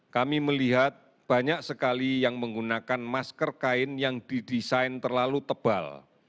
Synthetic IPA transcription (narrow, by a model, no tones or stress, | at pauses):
kamiməliɦat̪̚ | b̥a̤ɲak̚səkalijaŋməŋɡunakanmaskərkaɪnjaŋd̥idisaɪnt̪ərlalut̪əb̥a̰l